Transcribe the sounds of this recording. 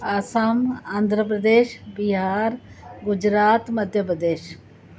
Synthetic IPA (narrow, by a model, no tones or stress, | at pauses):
aːsamaːnd̪ʱɾəp̬ɾəd̪eːʃbiɦaːɾ | ɡʊd͡ʒɾaːt̪məd̪ʱjəpɾəd̪eːʃ